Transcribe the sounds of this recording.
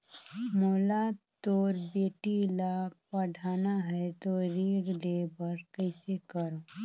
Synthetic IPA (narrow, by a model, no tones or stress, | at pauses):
moːlat̪oːɾbeːʈilapəɽʱaːnaɦɛt̪oɾiːɽleːbəɾkəɪsekəɾõː